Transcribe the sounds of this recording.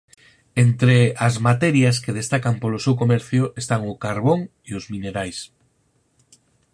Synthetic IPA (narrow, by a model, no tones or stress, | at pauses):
ent̪ɾeazmat̪ɛɾjaskeð̞est̪akampolosewkomɛɾθjʊʔest̪aŋʊkaɾβoŋ | iozmineɾajs